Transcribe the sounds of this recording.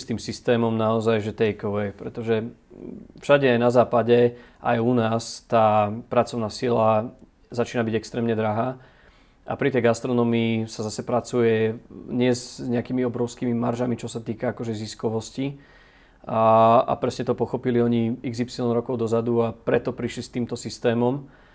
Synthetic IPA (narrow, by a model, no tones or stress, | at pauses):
st̪iːmsist̪ɛːmɔmnaɔzajʒɛt̪ɛjkɔʋɛjpɾɛt̪ɔʒɛ | fʃaɟɛajnazaːpaɟɛ | ʔa̰junaːst̪aːpɾat͡sɔʊnaːsila | zat͡ʃiːnabiɟɛkst̪ɾɛːmɲɛd̪ɾaɦaː | a̰pɾit̪ɛjɡast̪ɾɔnɔmiːsazasɛpɾat͡sujɛɲɪɛzzɲɛakimiɔbɾɔʊskiːmimaɾʒamit͡ʃɔsat̪iːkaakɔʒɛziskɔʋɔsci | a̰pɾɛsɲɛt̪ɔpɔxɔpiliɔɲiiɡzipsilɔnɾɔkɔʊd̪ɔzad̪uapɾɛt̪ɔpɾiʃlist̪iːmt̪ɔsist̪ɛːmɔm